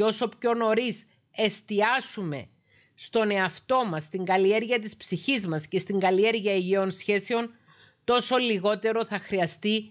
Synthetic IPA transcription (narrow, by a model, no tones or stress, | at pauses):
o̞so̞pço̞no̞ɾis | e̞st̪iɐsume̞̰ | st̪o̞ne̞ɐft̪o̞mɐsːt̪iŋɡɐlie̞ɾʝiɐt̪̬ispsiçizmɐscest̪iŋɡɐlie̞ɾʝiɐeʝio̞nsçe̞seo̞n | t̪o̞so̞liɣo̞t̪e̞ɾo̞θɐxɾiɐst̪i